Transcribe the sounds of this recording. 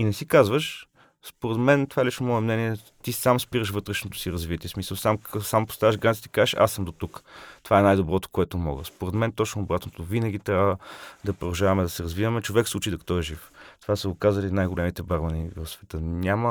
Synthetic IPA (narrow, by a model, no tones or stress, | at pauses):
inɛsikazvəʃ | spoɾɛd̪mɛnt̪ovaɛlit͡ʃnomɔɛmnɛniɛ | t̪isamspiɾəʃvɤt̪ɾɛʃnot̪o̥siɾɐzvit̪ʲiːɛsmisəlˠsamsampo̥st̪avɐʃɡɾant̪it̪ɛ̥kazʃa̰səmd̪ot̪ukt̪ovaɛnajd̪obɾɔt̪o̥koɛt̪omɔ̰ɡə̰spoɾɛd̪mɛnt̪ɔt͡ʃnoːbɾat̪not̪ovinəɡ̟ʲit̪ɾʲabvəd̪ɐpɾod̪ɐʒavɐmɛd̪ɐsɛɾɐzvivəmɛt͡ʃovɛkslˠut͡ʃid̪ɐkɐ̥t̪ɔɛʒift̪ovasəokazəlinajɡolɛmit̪ɛbaɾmɐnivɐfsvɛt̪ənʲamə